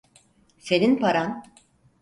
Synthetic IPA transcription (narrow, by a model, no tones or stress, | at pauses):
selinpʰaɾan